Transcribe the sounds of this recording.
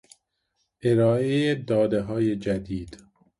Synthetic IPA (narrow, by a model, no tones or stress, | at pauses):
ʔeɾɒːejed̪ɒːd̪eɦɒːjed͡ʒæd̪iːd̪̥